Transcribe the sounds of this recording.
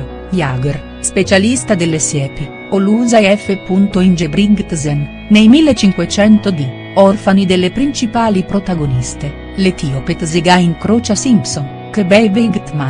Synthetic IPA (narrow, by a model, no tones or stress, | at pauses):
jaːɡor | spet͡ʃalist̪ad̪elːesjɛːpi | oluzaɛfːepunt̪oind͡ʒebɾiŋɡt̪zɛnː | ejmilːet͡ʃiŋkwet͡ʃɛnt̪od̪i | ɔrfanid̪elːepɾint͡ʃipaːlipɾot̪aɡonist̪e | let̪iopet̪zeɡaiŋkɾot͡ʃasimpson | kəbɛjbiɡt̪ma